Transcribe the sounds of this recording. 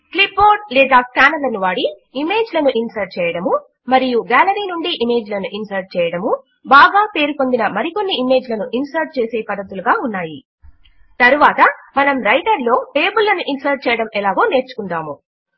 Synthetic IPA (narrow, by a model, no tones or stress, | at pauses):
klipːoːɾʈ̚lɛːd̪aːskaːnɐlɐnuʋaːɽiː | me̞ːd͡ʒlɐnuʔinsɐɾʈ̚t͡ʃɛːjɐɽɐmu | mɐɾijuɡaːlɐɾiːnuɳɖiʔime̞ːd͡ʒlɐnuʔinsɐɾʈ̚t͡ʃɛːjɐɽɐmu | baːɡaːpe̞ːɾuko̞nd̪inɐmɐɾiko̞nːiime̞ːd͡ʒlɐnuʔinsɐɾʈ̚t͡ʃeːseːpɐd̪ːɐt̪uluɡaːunːaːji | t̪ɐɾuʋaːt̪ɐmɐnɐmɾɐjʈɐɾlo̞ːʈeːbulːɐnuʔinsɐɾʈ̚t͡ʃɛːjɐɽɐmɛlaːɡo̞ːne̞ːɾt͡ʃu̥kund̪aːmu